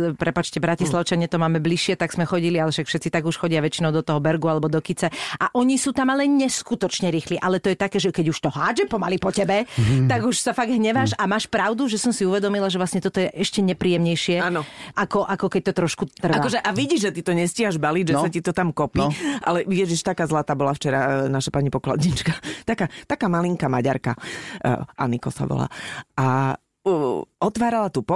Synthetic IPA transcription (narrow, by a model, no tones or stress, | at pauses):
pɾɛpat͡ʃcɛbɾacislaʊt͡ʃaɲɪɛt̪ɔmaːmɛbliʃːɪɛt̪aɡsmɛxɔɟilialɛʃakfʃɛt̪t͡sit̪aɡuʃxɔɟɪaʋɛt͡ʃinɔʊd̪ɔt̪ɔɦɔbɛɾɡualɛbɔd̪ɔkit͡sɛʔaʔɔɲisuːt̪amalɛɲɛskut̪ɔt͡ʃɲɛɾiːxliʔalɛt̪ɔjɛt̪akɛːʒɛkɛɟuʃt̪ɔɦaːd͡ʒɛpɔmalipɔcɛbɛt̪aɡuʃsafaɡɦɲɛʋaʃamaːʃpɾaʊd̪uʒɛsɔmsiuʋɛd̪ɔmilaʒɛvʋlasɲɛt̪ɔt̪ɔjɛʔɛʃcɛɲɛpɾiːjɛmɲɛjʃɪɛanɔʔakɔʔakɔkɛc̚t̪ɔt̪ɾɔʃkut̪ːr̩akɔʒɛʔaʋiɟiʒʒɛt̪it̪ɔɲɛscɪɦaʒbaliɟʒɛsacit̪ɔt̪amkɔpiʔalɛijɛʒiʃt̪akaːzlaːt̪aːbɔlaft͡ʃɛɾanaʃapaɲipɔkla̰d̪ɲit͡ʃkat̪akaːt̪akaːmaliŋkamaɟa̰ɾka̰ | ʔa̰nikɔ̰sa̰ʋɔ̰la̰ːʔa | ɔt̪ʋaːɾalat̪upɔ